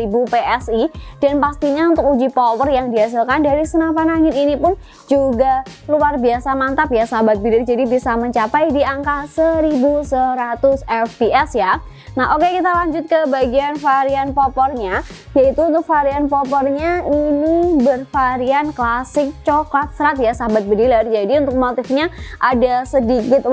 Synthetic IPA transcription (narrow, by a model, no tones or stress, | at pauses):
ibupeʔɛsid̥anpast̪iɲaunt̪ʊk̚ud͡ʒipɔpɔrjaŋdias̬alkandaɾisənapanaŋɪt̪inipʊn | d͡ʒuɡaluarbiasamant̪apjasabat̪̚bidɪrd͡ʒadibisaməɲt͡ʃapajdiaŋkahsəɾibusəɾat̪ʊsɛfbiʔɛsja | naɦokekit̪alaɲd͡ʒʊt̪̚kəbaɡianfaɾianpɔpɔrɲa | jait̪uːnt̪ʊk̚faɾianpɔpɔrɲainibərfaɾianklasɪk̚t͡ʃokat̪̚səɾat̪̬̚jasabat̪̚bədilard͡ʒadiunt̪ʊk̚mot̪ɪfɲaʔadasədikɪt̪̚